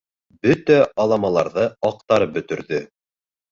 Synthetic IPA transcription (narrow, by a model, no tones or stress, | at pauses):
bɵt̪æɑlˠɑmɑlˠɑɾðɤɑq̚t̪ɑɾɤp̚bɵ̆t̪ɵ̆ɾðɵ